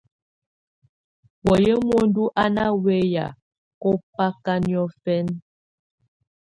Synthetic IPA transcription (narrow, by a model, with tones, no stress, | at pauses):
wɔ˨je˦mwo˦n̩˦du˦ʔa˦na˦we˦ja̰˨ | ko˦pa˦ka˦njɔ˦fɛ˦n